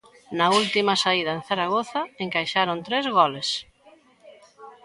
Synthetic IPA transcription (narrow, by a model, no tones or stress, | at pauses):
nɐult̪imɐsaið̞ɐẽnθaɾaɣoθɐeŋkajʃaɾont̪ɾezɣɔles